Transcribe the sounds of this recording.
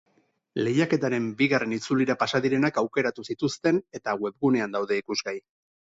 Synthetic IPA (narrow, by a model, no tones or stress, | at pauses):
le̞jake̞t̪aɾe̞mbiɣare̞nit͡suliɾapasaðiɾe̞nakawke̞ɾat̪usit̪ust̪e̞ne̞t̪aɣwe̞bɣune̞and̪awðe̞ikuzɣaj